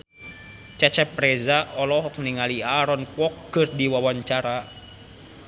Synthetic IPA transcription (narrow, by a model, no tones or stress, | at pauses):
t͡ʃat͡ʃɛpɾɛzaɔlɔɦɔk̚niŋaliaɾɔnkwɔkːɨrdiwawaɲt͡ʃaɾa